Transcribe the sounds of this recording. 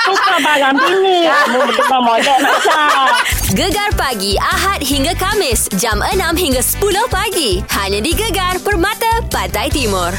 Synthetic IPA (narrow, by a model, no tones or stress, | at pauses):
sukabaɾaminiamubəkəbamɔdəmata | ɡəɡarpaɡiaɦat̪̚ɦiŋɡakamɪsd͡ʒamənãmɦiŋɡasə̥pulʊhpaɡihaɲãdiɡəɡarpərmãt̪apat̪ajt̪imʊr